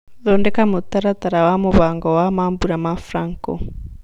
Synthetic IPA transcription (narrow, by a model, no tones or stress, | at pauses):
ðɔndɛkamot̪aɾat̪aɾawamoβaŋɡɔwamambuɾamafɾaŋkɔ̰